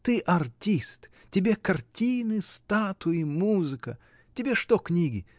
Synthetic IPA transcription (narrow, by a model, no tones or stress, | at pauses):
t̪ɨʔɐrtʲist̪ | tʲɪbʲekɐrtʲinɨst̪at̪ʊjɪmuzɨkə | tʲɪbʲeʂt̪oknʲiɡʲɪ